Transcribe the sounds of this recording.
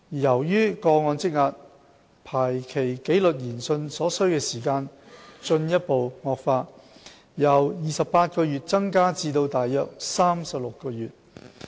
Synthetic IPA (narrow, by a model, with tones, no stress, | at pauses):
jɐ˨˩wjyː˥kɔː˧ŋɔː˧nt͡sɪ˥k̚ŋaː˧t̚ | pʰaː˨˩jkʰe˨˩jke˨˥jlɵ˨t̚jiː˨˩nsɵ˧nsɔː˨˥sɵ˥ɥkɛː˧siː˨˩kaː˧n | t͡sɵ˧njɐ˥t̚po˨wŋɔː˧k̚faː˧t̚ | jɐ˨˩wjiː˨sɐ˨ppaː˧t̚kɔː˧jyː˨t̚t͡sɐ˥ŋkaː˥t͡siː˧t̪o˧wt̪aː˨˩jːœː˨˧k̚saː˥msɐ˨p̚lʊ˨kːɔː˧jyː˨t̚